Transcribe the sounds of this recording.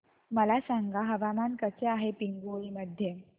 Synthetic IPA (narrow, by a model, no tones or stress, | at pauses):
məlasaŋɡaɦəʋamankət͡seaɦepiŋɡoɭiməd̪ʱːje